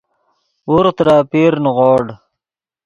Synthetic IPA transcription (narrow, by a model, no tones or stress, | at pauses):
uɾt̪ɾaːpiɾnʁoːɽ